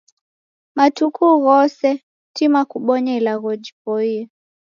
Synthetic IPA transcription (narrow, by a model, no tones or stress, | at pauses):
matukuɣɔsɛ | timakuɓɔɲailaɣɔd͡ʒipɔiɛ